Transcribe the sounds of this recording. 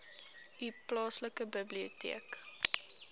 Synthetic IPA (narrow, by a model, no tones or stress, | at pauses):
iplɑːsləkəbəbliotḭək